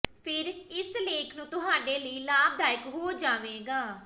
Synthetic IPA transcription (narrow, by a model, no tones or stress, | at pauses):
pʰɪɾɪsleːkʰnũːt̪ʊɦaːɖeːləiːlaːb̚d̪aːɪkɦoːd͡ʒaːʋeːɡaː